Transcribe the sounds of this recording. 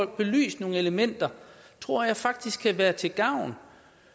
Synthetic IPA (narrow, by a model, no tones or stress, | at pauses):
ɒl̰ɡ̥̚b̥e̝ly̰ːsd̥no̝ːŋ̩e̝ləmen̰d̥ɐt͡sʰʁo̝ɐ̰jɑ̈ɪfɑ̈ɡ̥̚d̥isɡ̥̚kʰːæʋæːɐt͡sʰe̝ɡ̥ɑ̈ʊ̰n